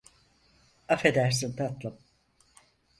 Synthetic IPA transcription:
afe̞d̪æɾs̬int̪at̪lˠɯm

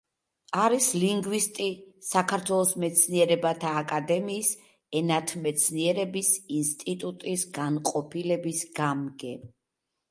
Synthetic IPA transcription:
aɾisliŋɡvist̪ʼisakʰaɾt̪ʰwɛlˠɔsmɛt̪sʰniɛɾɛbat̪ʰaːkʼad̪ɛmiːs | ɛnat̪ʰmɛt̪sʰniɛɾɛbisinst̪ʼit̪ʼut̪ʼisɡanqʼɔpʰilɛbisɡamɡɛ

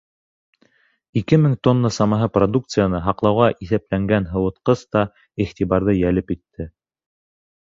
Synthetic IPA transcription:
ikɘmɘŋt̪onːəsɑmɑɦɤprod̪ukt̪sɨjanɤɦɑqlˠɑwʁɑʔiθæplæŋɡænɦɤ̆wɤ̆t̪qɤst̪ɑ | iχt̪ʲiβɑɾðɤjælɘpjit̪ʰːɘ

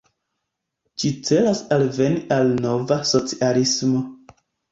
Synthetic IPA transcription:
d͡ʒit͡se̞lasalve̞niʔalno̞vaso̞t͡sialismo̞

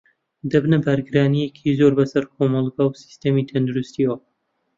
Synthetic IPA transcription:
d̪ɐbnɨbɐɾɡɨɾaːnijekʰizoɾbɐsɐɾkʰomɑlˠɡawsi̥st̪ɐmit̪ʰɐnd̪uɾust̪iw

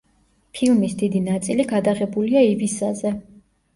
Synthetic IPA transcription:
pʰilˠmisd̪id̪inat̪sʼiliɡad̪aʁɛbuliaivisazɛ

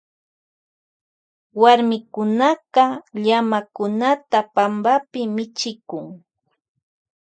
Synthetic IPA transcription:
waɾmɪkʊnaqɑʎamakʊnat̪apambapɪmɪt͡ʃɪkʊŋ

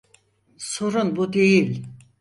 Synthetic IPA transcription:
soɾunbud̪ejilʲ

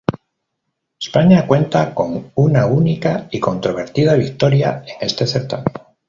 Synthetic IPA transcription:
espaɲakwe̞nt̪ako̞ŋunaunikaiko̞nt̪ɾo̞β̞e̞ɾt̪ið̞aβ̞ik̚t̪o̞ɾjae̞ŋe̞st̪e̞θe̞ɾt̪a̰meno

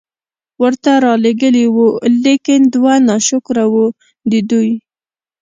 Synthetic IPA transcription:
wəɾt̪aɾɑleɡəliwulekɪnd̪wanɑʃʊkɾawu | d̪əd̪uj

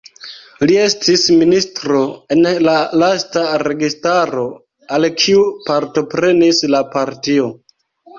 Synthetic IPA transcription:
lie̞stisministɾo̞e̞nlalastaɾe̞ɡistaɾo̞ | alkʰiupaɾto̞pɾe̞nislapaɾtio̞

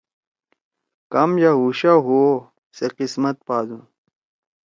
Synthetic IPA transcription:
kɐmjaɦuːɕaɦuo | seqismɐt̪̚paːzũ

